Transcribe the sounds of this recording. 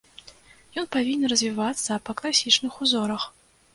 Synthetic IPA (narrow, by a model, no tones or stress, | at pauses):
jɔnpavʲinʲɛnɾɐzʲvʲivat̪sːɐpɐklˠasʲit͡ʂnɨxuzɔɾɐx